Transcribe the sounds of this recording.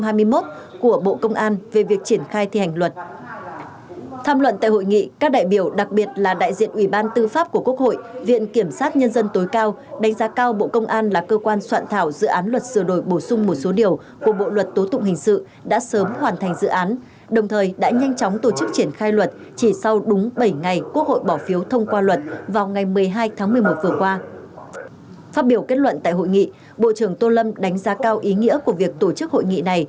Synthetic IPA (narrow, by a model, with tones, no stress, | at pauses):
ɦaː˧jmɨ˧əjmo˦˥t̚ku˧˩əɓo̰˧˨kə˧wŋ͡mʔaː˧nve˨˩vi˨˩ək̚t͡ɕi˧˩ənxaː˧jt̪ʰi˨˩ha˨˩ŋ̟lwə˨˩t̚ | t̪ʰaː˧mlwə̰˧˨nt̪a̰ː˧˨ho̰˧˨jŋḭ˧˨kaː˦˥k̚ɗa̰ː˧˨jɓi˧˩əwɗa˨˩k̚ɓi˨˩ət̚laː˨˩ɗa̰ː˧˨jzḭ˧˨ənʔwi˧˩ɓaː˧nt̪ɨ˧faː˦˥p̚ku˧˩əku˦˥ək̚ho̰˧˨jvḭ˧˨ənki˧˩əmsaː˦˥t̚ɲə˧nzə˧nt̪o˨˦jkaː˧w | ɗa˨˦ŋ̟zaː˨˦kaː˧wɓo̰˧˨kə˧wŋ͡mʔaː˧nlaː˨˩kəː˧kwaː˧nswa̰ː˧˨nt̪ʰaː˧˩wzɨ̰˧˨ʔaː˨˦nlwə˨˩t̚sɨ˧˩əɗo˧˩jɓo˧˩sʊ˧ŋ͡mmo˨˩t̚so˨˦ɗi˨˩əw | ku˧˩əɓo̰˧˨lwə˨˩t̚t̪o˨˦t̪ʊ̰˧˨ŋ͡mhï˨˩ŋ̟sɨ̰˧˨ | ɗa̰ː˧˥səː˨˦mhwaː˨˩nt̪ʰa˨˩ŋ̟zɨ̰˧˨ʔaː˨˦n | ɗə˨˩wŋ͡mt̪ʰəː˨˩jɗa̰ː˧˥ɲa˧jŋt͡ɕɔ˨˦ŋ͡mt̪o˧˩t͡ɕɨ˦˥k̚t͡ɕi˧˩ənxaː˧jlwə˨˩t̚ | t͡ɕi˧˩sa˧wɗʊ˨˦ŋ͡mɓə˧˩jŋa˨˩jku˦˥ək̚ho̰˧˨jɓɔ˧˩fi˨˦əwt̪ʰə˧wŋ͡mkwaː˧lwə˨˩t̚vaː˨˩wŋa˨˩jmɨ˨˩əjɦaː˧jt̪ʰaː˨˦ŋmɨ˨˩əjmo˨˩t̚vɨ˨˩əkwaː˧ | faː˦˥t̚ɓi˧˩əwke˦˥t̚lwə̰˧˨nt̪a̰ː˧˨jɦo̰˧˨jŋḭ˧˨ | ɓo̰˧˨t͡ɕɨ˧˩əŋt̪o˧lə˧mɗa˨˦ŋ̟zaː˨˦kaː˧wʔi˨˦ŋḭ˧˥əku˧˩əvi˨˩ək̚t̪o˧˩t͡ɕɨ˦˥k̚ho̰˧˨jŋḭ˧˨na˨˩j